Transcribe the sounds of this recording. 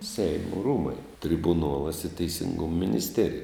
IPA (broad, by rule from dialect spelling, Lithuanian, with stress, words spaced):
ˈsʲɛɪmoː ˈruːmɐɪ tʲrʲɪbʊˈnuɔlˠɐs ɪ tʲɛɪsʲɪŋɡʊm mʲɪnʲɪsʲˈtʲæːrʲɪjɛ